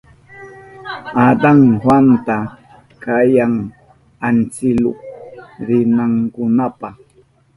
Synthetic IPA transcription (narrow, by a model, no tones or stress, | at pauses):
ad̪aŋhwant̪a | kajaŋ | ant͡sɪlʊ̰ɾɪnaŋkʊnapa